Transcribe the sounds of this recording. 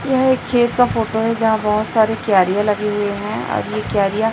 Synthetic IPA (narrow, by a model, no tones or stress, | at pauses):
jɐɦeːkʰːeːt̪̚kafoːʈoɦɛd͡ʒɐɦãbɐɦʊt̪saːɾekjaːɾijãlɐɡeɦʊeɦɛ̃ɔ̰ːɾjekjaːɾija